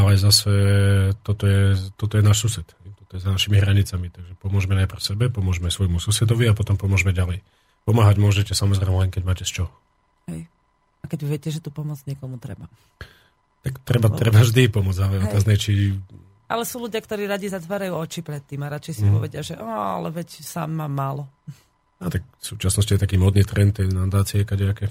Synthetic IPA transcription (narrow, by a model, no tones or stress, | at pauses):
alɛzasɛt̪ɔt̪ɔjɛt̪ɔt̪ɔjɛnaːʃsusɛt̪hɛjt̪ɔt̪ɔjɛzanaʃimiɦɾaɲit͡samit̪aɡʒɛpɔmʊɔʒmɛnajprfsɛbɛpɔmʊɔʒmɛsʋɔjmususɛd̪ɔʋiapɔt̪ɔmpɔmʊɔʒmɛɟalɛj | pɔmaːɦaɟmʊɔʒɛcɛsamɔzɾɛjmɛlɛŋkɛɟmaːcɛst͡ʃɔ | ɦɛj | akɛɟiʋɪɛcɛʒɛt̪upɔmʊɔd͡zɲɛkɔmut̪ɾɛ̰ba | t̪akt̪ɾɛbatt̪ɾɛbaʒd̪ipɔmʊɔd͡zalɛɔt̪aznɛt͡ʃi | ʔalɛsuːluɟɪakt̪ɔɾiːɾaɟizat̪ʋaːɾajuːɔt͡ʃipɾɛt̪ːiːmaɾat͡ʃɛjsipɔʋɛɟɪaʒɛʔɔa̰lɛʋɛcsa̰ːmːaːmːaːlɔ | at̪ak̚fsuːt͡ʃasnɔsciɛt̪akiːmɔd̪niːt̪ɾɛnt̪ːɛjnad̪aːt͡siɛkaɟɛakɛ